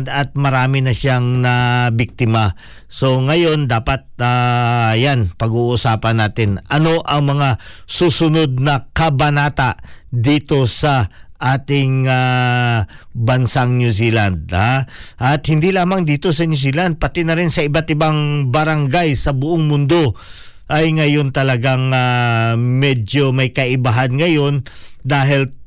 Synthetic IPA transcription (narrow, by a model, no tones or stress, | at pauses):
d̪ɐt̪̚mɐɾaːmɪnɐʃaŋnɐbɪk̚t̪ɪmɐ | so̞ŋɐjo̞nd̪aːpɐt̪̚ajanpɐɡuːʔʊsaːpɐnːaːt̪ɪnʔɐno̞ʔɐŋmɐŋasuːsʊno̞d̪̚nɐkɐbɐnaːt̪aʔd̪iːt̪o̞sɐʔaːt̪ɪŋa | bɐnsaŋnjusiːland̪̚aʔɐt̪̚hɪnd̪ilaːmɐŋd̪iːt̪o̞sɐnjus̬iːland̪̚pɐt̪ɪnɐɾɪnsɐʔɪbat̪ɪbaŋbɐɾɐŋɡajsɐbʊʔoŋmʊnd̪o̞ʔɐjŋɐjo̞nt̪ɐlɐɡaŋa | mɛd͡ʒjo̞mɐjkɐʔɪbaɦanŋɐjo̞nd̪aːɦɪl